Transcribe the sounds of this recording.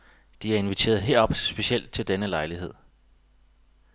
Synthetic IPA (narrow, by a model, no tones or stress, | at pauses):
d̥iæɐe̝nʋit͡sʰe̝̰ːɐð̩ˠɦe̝ɐ̰ɒ̽b̥sb̥e̝ɕiel̰d̥̚t͡sʰe̝ld̥enəlɑ̈ɪliɦe̝ð̰ˠ